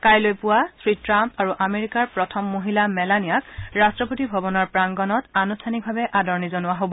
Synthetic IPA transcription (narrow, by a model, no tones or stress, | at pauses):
kajlojpʊwasɹitɹampaɹuʔameɹikaɹpɹɔtʰɔmːoɦilamɛlanijakɹastɹɔpotibʱɔbɔnɔɹpɹaŋɡɔnɔtanustʰanik̚bʱabɛʔadɔɹnizɔnʊwaɦobɔ